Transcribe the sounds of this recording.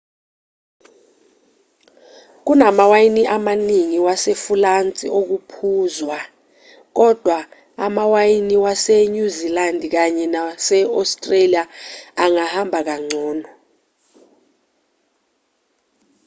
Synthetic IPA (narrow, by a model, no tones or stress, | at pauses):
k̬unamawajiniʔamaniŋiwasefulant͡sʼiok̬upʰuːzwa | k̬ɔd̥ʱwa | amawajiniwaseɲuzilandʱk̬aɲɛnasɛɔstʼreliaːŋahambʱak̬aŋ͡ǀʱɔːnɔ